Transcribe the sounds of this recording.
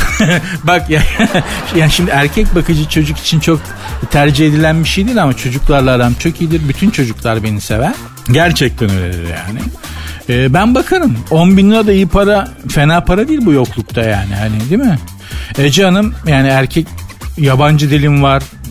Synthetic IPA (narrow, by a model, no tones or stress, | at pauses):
bakja | jaːniʃimd̪iæɾcʰɛc̚bakʰɯd͡ʒɯt͡ʃʰo̞d͡ʒuki̥t͡ʃʰint͡ʃʰok̚ | t̪ʰæɾd͡ʒihe̞d̪ilʲænbiʃejd̪ilʲamat͡ʃʰo̞d͡ʒuklˠaɾlˠaːd̪amt͡ʃʰokʰijid̪iɾbyt̪ʰynt͡ʃʰo̞d͡ʒuklˠaɾbe̞nisevæn | ɟæɾt͡ʃʰɛc̚t̪ʰɛnølʲḛd̪ḭɾja̰ːnɪ̰ɛːbænbakʰaɾɯmo̞nbinlˠad̪aijɯpʰaɾafe̞naːpʰaɾad̪iilʲbujo̞klˠuk̚t̪ʰajaːnihanid̪imɪ | ed͡ʒianɯmjaːniæɾcʰɛcjaband͡ʒɯd̪ilʲimvaɾ̥